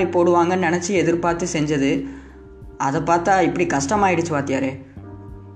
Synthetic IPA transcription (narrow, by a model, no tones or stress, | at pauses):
ɾipoːɽɯʋaːŋɡɐnɪnɛt͡ʃːɯɛðɪɾpaːɾt̪ɯsɛɲd͡ʒɐðɯ | ɐðɐpaːɾt̪aːɪpːɐɽikɐʂʈɐmaːjɪɽɯt͡ʃːɯʋaːt̪ɪjaːɾeː